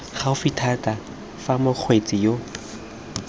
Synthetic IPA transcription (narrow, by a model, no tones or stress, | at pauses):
χaʊfitʰatʼa | famʊq͡χʰwet͡sʼɪjo